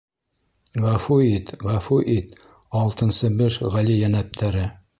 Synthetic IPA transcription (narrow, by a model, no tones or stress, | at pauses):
ʁæfuit̪ʁæfuʔit̪ | ɑlˠt̪ɤ̆nsɤbɘʃʁælijænæp̚t̪ʰæɾɘ